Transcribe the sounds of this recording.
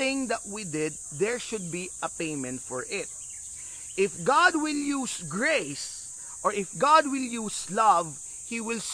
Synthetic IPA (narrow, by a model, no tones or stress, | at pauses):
ɪ̃ŋd̪ət̪̚wid̪ɪd̪̚ːɛɹʃʊd̪̚biɐpẽɪmɛ̃nt̪fɔɹʔɪt̪̚ | ɪfɡɑd̪̚wɪljusɡɹes | ʔɔɹɪfɡɑd̪̚wɪljuːslʌv | hiwɪls